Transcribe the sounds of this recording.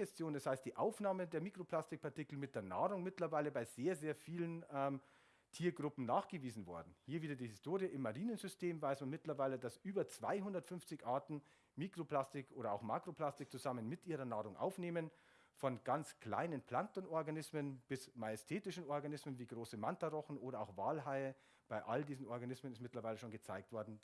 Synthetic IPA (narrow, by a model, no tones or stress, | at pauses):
ɛstjoːndashaɪstd̥iːʔaʊfnaːməndeːɐmiːkʁ̥opl̥astɪk̚pʰaɐtikl̩mɪt̚d̥eːɐna̰ːʁʊŋmɪtlɐvaɪləbaɪzeːɐzeːɐfiːlənʔɛm | tʰiːɐɡʁʊpm̩naːχɡ̥əviːzn̩vɔɐdn̩hiːɐviːdɐdiːhɪstʰoːʁjəʔɪmːaʁiːnənzʏstʰeːmvaɪsmanmɪtlɐvaɪlədasʔyːbɐt͡sv̥a̰ɪɦʊndɐtfʏnft͡sɪçʔaɐtn̩ | miːkʁ̥oplastɪkʔoːɾɐaʊxmaːkʁ̥opl̥astɪk̚t͡suzamənmɪtʔiːʁɐnaːʁʊŋʔa̰ʊfneːmən | fɔnɡ̥ant͡skl̥a̰ɪnənpʰl̥antɔnʔɔɐɡanɪsmənb̥ɪsmajɛstʰeːtɪʃn̩ɔɐɡanɪsmənviːɡʁoːsəmantaʁɔχn̩ʔoːɾɐaʊxv̥aːlɦaɪə | b̥aɪʔaldiːzn̩ʔɔɐɡanɪsmənɪstmɪtlɐvaɪləʃoːnɡət͡saɪk̚tv̥ɔɐdn̩